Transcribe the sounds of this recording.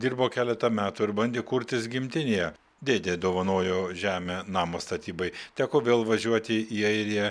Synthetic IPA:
d̪ʲiɾboːkʲæːlʲɛt̪ɐmʲæːt̪ʊɪɾbɐnʲd̪ʲeːkʊɾʲt̪ʲɪsɡʲɪmʲt̪ʲɪnʲejɛ | d̪ʲeːd̪ʲeːd̪oːʋɐnoːjoːʒʲæːmʲeːnɑːmoːst̪ɐt̪ʲiːbɐɪt̪ʲæːkoːʋʲeːlˠʋɐʒʲuɔt̪ʲɪiːɐɪɾʲɪjɛ

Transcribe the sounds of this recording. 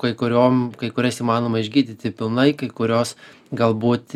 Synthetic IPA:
kɐɪkʊɾʲoːmkɐɪkʊɾʲɛsiːmɑːnoːmɐɪʒʲɡʲiːd̪ʲit̪ʲɪpʲɪlˠnɐɪkɐɪkʊɾʲoːs | ɡɐlˠbuːt̪ʲ

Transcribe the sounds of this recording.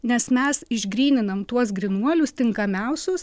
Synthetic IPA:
nʲɛsmʲɛsɪʒʲɡɾʲiːnʲɪnɐmt̪uɔsɡɾʲɪnuɔlʲʊst̪ʲɪŋkɐmʲɛʊsʲʊs

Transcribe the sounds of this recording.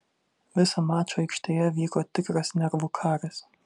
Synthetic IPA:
ʋʲɪsɐmɑːt͡ʃʲoːɛɪkʃʲt̪ʲeːjɛʋʲiːkoːt̪ʲɪkɾɐsnʲɛɾʋuːkʰɑːɾʲɐs

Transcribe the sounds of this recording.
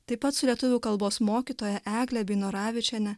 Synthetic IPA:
t̪ɐɪpːɐt̪sʊlʲiɛt̪ʊʋʲuːkɐlˠboːsmoːkʲiːt̪oːjɛʔæːɡlʲɛbʲiɪnoɾɑːʋʲɪt͡ʃʲɛnʲɛ

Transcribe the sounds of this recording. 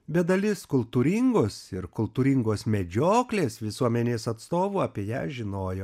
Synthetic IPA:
bʲɛd̪ɐlʲɪskʊlˠt̪uɾʲɪŋɡoːsɪɾkʊlˠt̪uːɾʲɪŋɡoːsmʲɛd͡ʒʲoːklʲeːsʋʲɪsuɔmʲɛnʲeːsɐt̪st̪oːʋuɐːpʲiɛjæ̰ːʒʲɪnoːjoː

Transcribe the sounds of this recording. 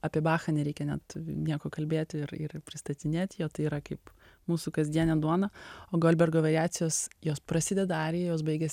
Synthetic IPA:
ɐpʲiɛbɑːxɐnʲɛɾʲɛɪkʲɛnʲɛ̰t̪nʲiɛkoːkɐlʲbʲeːt̪ʲɪɾɪ̰rpʲɾʲɪst̪ɐt̪ʲɪnʲeːt̪ʲjoːt̪ɐɪiːɾɐkɐɪp | muːsukɐzʲd̪ʲiɛnʲɛd̪uɔnɐoːɡoːlʲbʲɛrɡoːʋʲɛɾʲɪæːt͡s̪ʲɪjoːsjoːspɾɐsʲɪd̪ʲɛd̪ɐɑːɾʲɪjɛjoːsbɐɪɡʲɛsʲ

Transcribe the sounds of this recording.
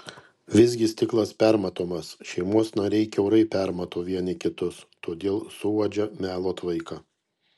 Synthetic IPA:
ʋʲɪzʲɡʲɪsʲt̪ʲɪklˠɐspʲæɾmɐt̪oːmɐsʃʲɛɪmuɔsnɐɾʲɛɪkʲɛʊɾɐɪpʲæɾmɐt̪oːʋʲiɛnʲɪkʲɪt̪ʊst̪oːd̪ʲeːlˠsʊoːd͡ʒʲɛmʲæːlˠoːt̪ʋɐɪkɐ

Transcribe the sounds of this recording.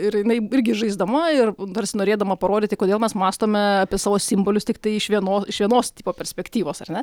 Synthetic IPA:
ɪɾjɪnɐɪɪɾʲɡʲɪʒɐɪzd̪ɐmɐɪrd̪ɐrʲsʲɪnoːɾʲeːd̪ɐmɐpɐɾoːd̪ʲɪːt̪ʲɪkoːd̪ʲeːlˠmʲɛsmɑːst̪oːmʲɛɑpʲɪɛsɑːʋoːsʲɪmboːlʲʊst̪ʲɪkt̪ɐɪɪʃʋʲiɛnoːɪʃʋʲiɛnoːst̪ʲiːpoːpʲɛɾʲsʲpʲɛkt̪ʲiːʋoːsɐ̰rnʲɛ

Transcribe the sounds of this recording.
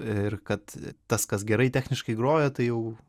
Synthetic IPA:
ɪrkɐt̪t̪ɐskɐsɡʲɛɾɐɪtʲæːxʲnʲɪʃkɐɪɡroːjot̪ɐɪjɛʊ

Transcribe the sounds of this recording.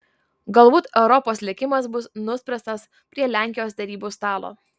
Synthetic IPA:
ɡɐlˠbuːt̪ɛʊɾɔpoːslʲɪkʲɪmɐs̬bʊsnʊsʲpʲɾʲɛst̪ɐs | pʲɾʲiɛlʲæˑŋʲkʲɪjoːsd̪ʲɛɾʲiːbuːst̪ɑːlˠo̰ː

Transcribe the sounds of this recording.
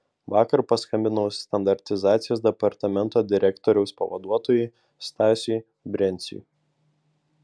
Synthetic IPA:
ʋɑːkɐɾpɐskɐmʲbʲɪnɐʊst̪ɐnd̪ɐɾʲt̪ʲɪzɑːt̪sʲɪjoːsd̪ʲɛpɐɾt̪ɐmʲɛnt̪oːd̪ʲɪɾʲɛkt̪ɔːɾʲɛʊspɐ̰ʋɐ̰d̪uɔt̪oːjʊ | st̪ɑːsʲi | bʲɾʲɛnʲsʲḭ

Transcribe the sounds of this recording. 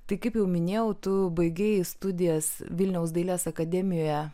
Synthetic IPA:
t̪ɐɪkɐɪpjɛʊmʲɪnʲeːjɛʊt̪ʊbɐɪɡʲeːjɪst̪ʊd̪ʲɪjɛsʋʲɪlʲnʲɛʊsd̪ɐɪlʲæːsɐkɐd̪ʲɛmʲɪjoːjɛ

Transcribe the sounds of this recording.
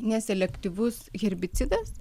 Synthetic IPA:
nʲɛsʲɛlʲɛkt̪ʲiʋʊsɣʲɛɾʲbʲɪt̪sʲɪd̪ɐs

